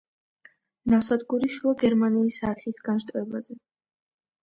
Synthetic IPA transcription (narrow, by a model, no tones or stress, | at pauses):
nafsad̪ɡuɾiʃuaɡɛɾmaniːsaːt̪ʰlisɡ̥anʃt̪ʼvɛbazɛ